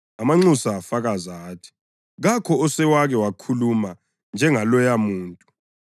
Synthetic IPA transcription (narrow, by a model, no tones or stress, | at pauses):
amaŋ͡ǀusaːfaɣazatʰi̥ | ɣakʰɔɔsɛwaɣɛwakʰuluma | nd͡ʒʱɛŋalɔjamuːntʼu̥